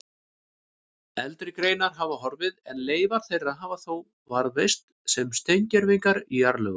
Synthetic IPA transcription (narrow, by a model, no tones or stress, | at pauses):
ɛlt̪ɾɪkɾejnaɾɦavaɦɔɾvɪðɛnleːjvaɾ̥θejraðɦaːvaθow | vaɾvejst̪ | sɛmst̪ejɲcɛɾvɪjŋkaɾiaɾlœ̰ɣʏ